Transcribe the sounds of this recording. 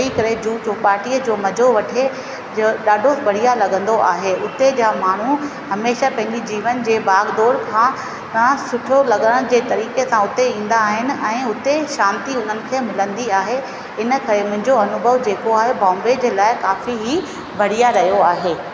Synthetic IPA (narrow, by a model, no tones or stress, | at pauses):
ikɐɾed͡ʑuːd͡ʑoːpaːɾʈiəd͡ʑoːmɐd͡ʑʱoʋɐʈʰe | d͡ʑɗaːɖʱobʱɐɽ̤ijalɐɠə̃nd̪oʔaːɦeʊt̪ed͡ʑaːmaːɳ̤uhɐmeːʃapɐ̃ɦɪ̃ɲd͡ʑid͡ʑiːʋənd͡ʑeːbaːɡd̪ɔːɾkʰãː | t̪ɐãsʊʈʰjolɐɠəɽə̃ɽ̃d͡ʑeːt̪ɐɾiːkesãʊt̪eĩːn̆d̪aːɦɪnɪ̆ɛ̃ːʊt̪eʃãːnt̪iʊn̤ənɪ̆kʰeːmɪlə̃nd̪iaːɦe | ɪnə̆kɐɾemʊ̃ɦɪ̃ɲd͡ʑoɐnʊbʱəʋd͡ʑeːkoaːɦebãːmbed͡ʑeːlaːɪkaːfiɦi | bʱɐɽ̤ijaɾɐɦijoaːɦeː